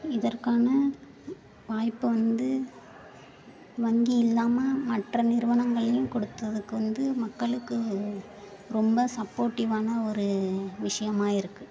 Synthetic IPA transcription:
ɪðɐrkaːnɐ | ʋaːjpːɯʋɐnd̪ɯ | ʋɐŋɡiɪlːaːmɐmɐʈrɐnɪɾɯʋɐɳɐŋɡɐɭɐjɯ̃mkɔɽɯt̪ːɐðɯkːɯʋɐnd̪ɯmɐkːɐɭɯkːɯ | ɾɔmbɐsɐpːoːɾʈːɪʋaːnɐɔɾɯʋɪʂɐjɐmaːɪɾɯkːɯ

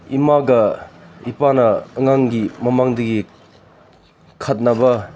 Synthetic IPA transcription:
imaɡɐipanɐːŋaŋɡimɐmaŋdɐɡi | kʰɐt̚nɐbɐ

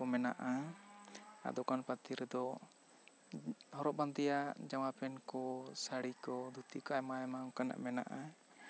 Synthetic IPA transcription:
ɔmɛna̰ʔa | a̰ʔd̪ɔkanpat̪iɾd̪ɔ | hɔɾɔʔband̪ijad͡ʒamapɛnkɔsaɽikɔd̪ut̪ikɔajmajmakana̰ʔmɛna̰ʔa

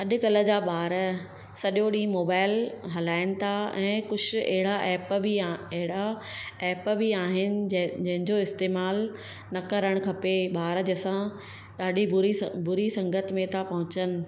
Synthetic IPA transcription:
ɐɗʊ̆kɐlə̆d͡ʑaːɓaːɾə | sɐɗjoɗĩːmoːbaːɪlɦɐlaːɪnɪ̆t̪ʰaɛ̃ːkʊd͡ʑ̆ʱɐ̰ɦɪɽaʔɛːpbʱiɐɦɪɽaɛːpbʱiaːɦɪnɪ̆d͡ʑɐ̃ɦɪ̃ɲd͡ʑoɪst̪eːmaːl | nɐkɐɾəɽ̃kʰɐpeɓaːɾəd͡ʑsã | ɗaːɗʱiʊɾibʊɾisɐ̃ŋɡət̪mẽt̪ʰapɐɦʊ̃t͡ɕənɪ̆

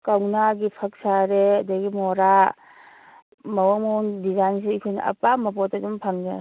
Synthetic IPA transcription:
kawnaɡipʰak̚saɾeɐdaɡimɔɾa | mawamowŋdizajnsikʰɯjnɐ̰ʔɐ̰pamɐp̬ɔtɐdumpʰaŋde

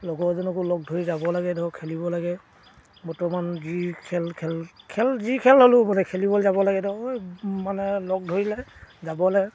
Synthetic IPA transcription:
lɔɡɔɹzɔnɔkʊlɔɡ̚dʱoɹizabɔlaɡɛdɔkʰelibɔlaɡɛ | bɔtɔmanzikʰɛlkʰɛl | kʰɛlzikʰɛlɦolʊmanɛkʰelibɔlɛzabɔlaɡɛdɔojmanɛlɔɡ̚dʱoɹilɛzabɔlɛ

